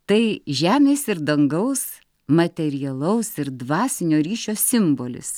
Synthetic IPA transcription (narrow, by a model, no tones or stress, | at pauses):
t̪ɐɪʒʲæːmʲeːsɪɾd̪ɐŋɡɐʊs | mɐt̪ʲɛɾʲɪjɛlˠɐʊsɪɾd̪ʋɑːsʲɪnʲoːɾʲiːʃʲoːsʲɪmboːlʲɪ̰s